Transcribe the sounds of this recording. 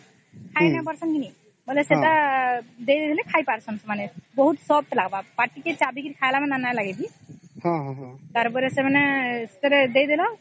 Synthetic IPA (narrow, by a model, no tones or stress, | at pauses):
kʰajnapaɾsɔnkini | ɦɔjleset̪a | d̪ejd̪ed̪ilɛkʰajpaɾsɔnsmanebɔɦut̪sɔb̚ʈlaɡbapaʈiket͡ʃabikiɾikʰajlamɛnanajlaɡebi | hɔ̃ɦt̪aɾpɔɾɛsemaneset̪ɔɾɛd̪ejd̪elɔ